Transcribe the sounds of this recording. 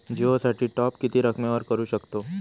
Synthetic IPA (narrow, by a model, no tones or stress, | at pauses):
d͡ʒeosaːʈʰiʈɔːpkit̪iɾɐkʰmẽɔːɾkɐɾuʃɐkt̪oː